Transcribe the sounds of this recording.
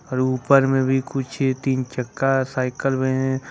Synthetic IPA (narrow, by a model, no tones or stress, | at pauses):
ɔːɾuːpəɾmẽbʱikʊt͡ʃʰt̪iːnt͡ʃəkːasaːɪkəlbẽɦẽ